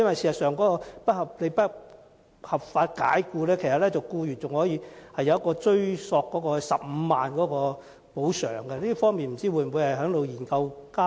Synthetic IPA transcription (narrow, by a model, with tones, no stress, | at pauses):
jɐ˥nwɐ˨jsiː˨˩sɐ˨˩sœː˨ŋkɔː˨˦˥kɔː˧pɐ˥t̚hɐ˨˩p̚le˨˧jpɐ˥ | hɐ˨˩p̚faː˧t̚ka̰ː˨˥jkuː˧lɛː˥kʰsɐ˨t̚lɛː˥t͡sɐ˨˩wkuː˧jyː˨˩nt͡sʊ˨ŋhɔː˨˥jiː˧hɐ˨jːɐ˧wjɐ˥kːɔː˧t͡sɵ˥ɥsɔː˧kːɔː˨˥kɔː˧sɐ̰˨p̚m̩˨˧maː˨nkɔː˨˥kɔː˧ | po˨˥wsœ̰ː˨˩ŋɡɛ˧liː˥fɔː˥ŋmiː˨nm̩˨˩t͡siː˥˩wuː˨˧jm̩˨wu˨˧jhɐ˨jɦœː˨˥ŋt̪o˨wjiː˨˩nkɐ˧wkaː˥